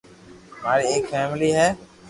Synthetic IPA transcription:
maːɾieːkfɛːmɪliːɦɛː

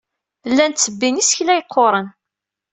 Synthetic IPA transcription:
lːænt͡sːəbːinisçlæjəqʰːoɾˤən

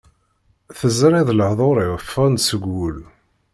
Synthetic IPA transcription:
θəzɾiðləʕðˤoɾˤɪʁəfænsəɡːul

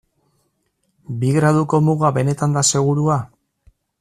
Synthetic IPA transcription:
biɣɾaðuko̞muɣaβe̞ne̞t̪and̪ase̞ɣ̞uɾua

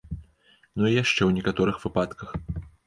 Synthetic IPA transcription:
nuijaʂt͡ʂɛwnʲɛkat̪ɔɾɨxv̥ɨpat̪kɐx

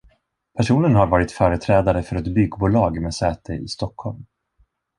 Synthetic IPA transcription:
pʰæʂuːnənɦaɾvɑːɾɪt̪fœːɾət̪ʰɾɛːd̪aɾəfœɾɛt̪bʏɡːbuːlɑːɡmɛsɛːt̪ʰəʔɪ̰st̪ɔkhɔlm

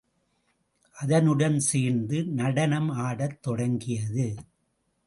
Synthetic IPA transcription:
ʔɐðɐnɯɽɐnsiːnd̪ɯnɐɽɐnɐmaːɽɐt̪ːɔɽɐŋɡɪjɐðɯ

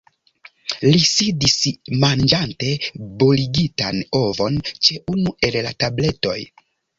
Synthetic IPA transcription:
lisidismand͡ʒante̞boliɡitano̞vo̞nt͡ʃe̞ʔunue̞llatable̞to̞̰j

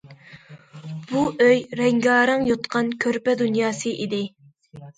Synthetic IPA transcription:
b̥uʔøjɾɛŋɡɑːɾɨŋjot̪qʰɑnkʲʰøɾpɛd̪unjɑːsɨʔid̪ɪ

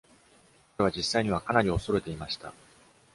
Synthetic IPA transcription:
kaɾeβad͡ʑisːaiɲ̟iβ̞akanaɾʲio̞so̞ɾe̞t̪e̞imaɕi̥t̪a̰

